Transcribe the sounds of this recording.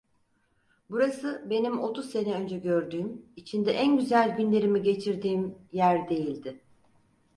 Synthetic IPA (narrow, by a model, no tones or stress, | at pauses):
buɾasɯbe̞nimo̞t̪ʰuzse̞nɛø̞nd͡ʒɛɟø̞ɾd̪yːmit͡ʃʰind̪ɛʔænɟyzælʲɟynlʲe̞ɾimiɟe̞t͡ʃʰiɾd̪iːmjæɾd̪e̞jilʲd̪ɪ